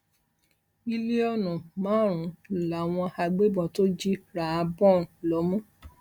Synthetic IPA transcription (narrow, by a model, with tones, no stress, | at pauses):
i˧le˦ɔ˧nũ˨mãː˨˦ɾ̃ũ˨˦˨la˨w̃ɔ̃˧ha˧ɡ͡be˦bɔ̃˧to˦d͡ʒi˦ɾa˨a˧bɔ̃˦˨n˨lɔ˨˦mũ˦